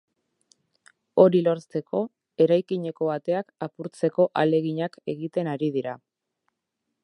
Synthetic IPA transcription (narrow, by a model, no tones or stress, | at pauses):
o̞ɾilo̞ɾst̪e̞kʰo̞ | e̞ɾajkiɲe̞ko̞βat̪e̞akapuɾt͡se̞ko̞ʔale̞ɣiɲake̞ɣit̪e̞naɾiðiɾa